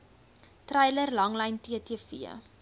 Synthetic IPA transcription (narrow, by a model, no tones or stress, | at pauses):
trɛjlərlɐŋlɐjntiətiəfḭə̰